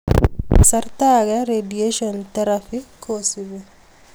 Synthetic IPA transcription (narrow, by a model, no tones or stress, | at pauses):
sɐɾt̪aːɡɐɾeɖijeʃɐnt̪ɐɾɐfikoːsiʋe